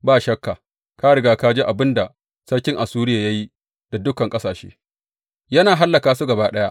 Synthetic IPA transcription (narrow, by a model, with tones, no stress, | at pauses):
baː˦ʃɐ˦kːaː˨ | ka˦ɽɪ˨ɡaː˦ka˦d͡ʒeː˦ʔa˨bɪ˦nda˨ | sɐ˦ɽkʲɪ˦ŋʔa˨suː˦ɾɪ˦jaː˨ja˦ji˦ | d̥a˨dʊ˦kɐ˨ŋkʼɐ˦saː˨ʃḛː˦ | jɐ˦naː˨ɦa˦lːɐ˨kaː˨su˦ɡɐ˨baː˦ɗɐ˦ja˦ʔ